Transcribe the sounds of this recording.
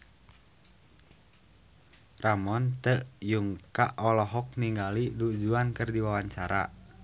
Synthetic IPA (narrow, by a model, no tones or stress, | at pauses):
ramɔnt̪əʔjuŋkaʔɔlɔɦɔk̚niŋɡalidud͡ʒuankərdiwawaɲt͡ʃaɾa̰